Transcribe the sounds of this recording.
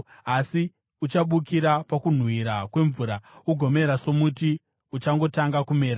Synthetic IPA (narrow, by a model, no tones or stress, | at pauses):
asi | ut͡ʃaɓukiɾapakun̤wiɾakwe̞ɱvuːɾauɡʱo̞me̞ɾaso̞muti | ut͡ʃaŋɡo̞taŋɡakume̞ːɾa